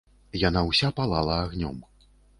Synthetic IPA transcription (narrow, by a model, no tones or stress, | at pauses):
janawsʲapalˠalˠɐːɣnʲɔ̰m